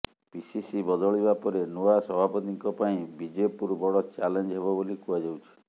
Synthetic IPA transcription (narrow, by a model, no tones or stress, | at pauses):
pisisibɔd̪ɔɭibapɔɾenuasɔbʱapɔt̪iŋkɔpaĩbid͡ʒepuɾbɔɽɔt͡ʃalend͡ʒɦeβɔbolikuad͡ʒawt͡ʃʰi̥